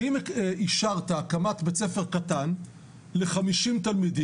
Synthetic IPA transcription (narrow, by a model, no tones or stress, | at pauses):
imiʃaʁt̪aːkamat̪bet͡sefeʁkat̪an | le̞χamiʃimt̪almidi